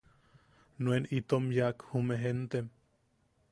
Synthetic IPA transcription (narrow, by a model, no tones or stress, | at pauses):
nwenit̪omjakhumeɦent̪em